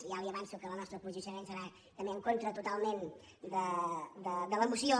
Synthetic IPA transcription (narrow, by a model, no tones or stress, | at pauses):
ialiəβansukələnɔst̪ɾəpɾuʒəʃəmensəɾa | t̪əmbeəŋkont̪ɾət̪ut̪alˠmen | d̪əd̪əd̪ələmusio